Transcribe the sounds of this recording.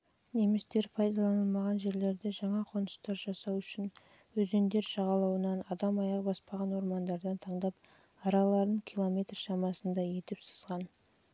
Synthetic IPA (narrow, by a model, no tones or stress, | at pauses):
ne̞mɪst̪e̞ɾpʰɑjd̪ɑlˠɑnəlˠmɑʁɑnʒe̞ɾle̞ɾd̪e̞ʒɑɴɑqʰo̞nəst̪ɑɾʒɑsɑwʏʃɪn | wɵze̞nd̪e̞ɾʃɑʁɑlˠɑwənɑnɑd̪ɑmɑjɑqbɑspɑʁɑnwo̞ɾmɑnd̪ɑɾd̪ɑnt̪ʰɑɴd̪ɑp | ɑɾɑlˠɑɾd̪əɴkʲʰilˠo̞mʲe̞jt̪rʃɑmɑsənd̪ɑje̞t̪ɪpsə̥zʁɑn